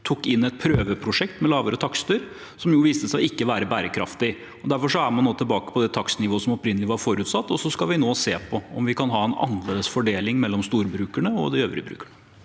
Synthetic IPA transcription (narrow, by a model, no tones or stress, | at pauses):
t̪ʰukːɪnːɛt̪̚pʰɾøːʋəpʰɾʊʂɛk̚t̪mɛlɑːʋəɾət̪ʰɑkst̪əɾ | sɔmjʊːʋiːst̪əsæɪɪkːəʋæːɾəbæːɾəkʰɾɑ̰ft̪ɪ | ɔd̪æɾfɔʂɔæɾmɑnːoːt̪ʰɪlbɑːkə̥pʰɔd̪ɛt̪ʰɑksnɪʋoːsɔmɔpɾɪnːəlɪʋɑɾfoːɾʉːt̪sɑt̪ːɔsɔskɑʋɪnoːseːpʰɔɔmʋɪkʰɑnɦɑːɛnɑ̰nəleːd̪əsfɔɖeːlɪŋmɛlːɔmst̪uːɾbɾʉːkæɳəɔ̰d̪ɪøːʋəɾʉ̰bɾʉ̰ːkəɳə